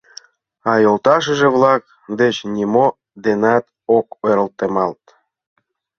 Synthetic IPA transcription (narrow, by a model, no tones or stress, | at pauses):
ɑjolt̪ɑʃ̬ə̆ʒĕβlɑk̚ | d̪et͡ɕnʲimo | d̪enɑt̪ | okeɾə̆lt̪emɑlt̪